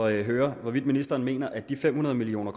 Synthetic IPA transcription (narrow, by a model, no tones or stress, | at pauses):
ɦøːɐʋɒʋid̥̚minisd̥ɐːnme̝̰ːnɐʔæd̥ifem̰unɐð̞ˠmilio̰ːnɐkʰ